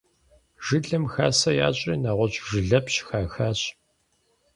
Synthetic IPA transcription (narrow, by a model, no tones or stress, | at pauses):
ʒ̥ɨɮɨmxaːsɐja̰ːɕʼiːnaːʁʷɔɕʼʒɨɮɐpɕxaːxaːɕʼ